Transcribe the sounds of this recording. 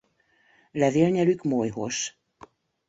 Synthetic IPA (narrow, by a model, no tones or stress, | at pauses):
lɛveːlɲɛlykmojɦo̰ʃ